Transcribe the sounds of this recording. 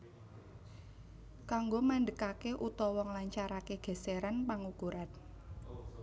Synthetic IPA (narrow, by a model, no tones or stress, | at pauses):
kaŋɡomaɳɖəkakeʔut̪ɔwɔŋlaɲt͡ʃaɾakeɡ̥ɛ̤seɾanpaŋukuɾan